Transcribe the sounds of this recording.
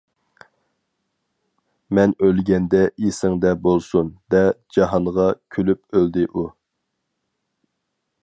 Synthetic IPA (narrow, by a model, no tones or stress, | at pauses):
mɛnølɡʲɛnd̪ɛesɪŋd̪ɛbolˠsund̪ɛd͡ʒɑɦɑnʁɑkʲʰylyp̚øld̪ɪʔu